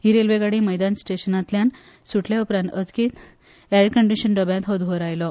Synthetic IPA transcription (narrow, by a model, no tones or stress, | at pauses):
ɦiːɾelʋeɡaɽiːməjd̪ansʈeɕənãt̪ljan | suʈʰljaupɾãnt̪əd͡zkiːt̪ | æɾɖkəɳɖiɕənɖəbjãt̪ɦɔd̪ʋoɾajlɔ